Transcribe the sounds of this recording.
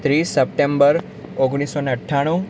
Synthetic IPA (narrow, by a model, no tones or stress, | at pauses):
t̪ɾisəp̚ʈembəɾ | oɡɽ̃isoneəʈʰːaɽ̃u